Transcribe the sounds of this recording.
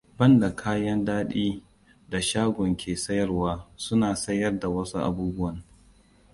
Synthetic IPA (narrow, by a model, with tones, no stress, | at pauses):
bɐ˦nda˨kʰaː˦jɐ˦ndaː˦ɗiː˦ | da˨ʃaː˦ɡʷɔ˨ŋkʲʰeː˨sɐ˦jɐ˦rwaː˦sʊ˦naː˨sɐ˦jːɐ˦rda˨wɐ˦su˦ʔa̰˨buː˦bʊ˦wɐ˨ŋ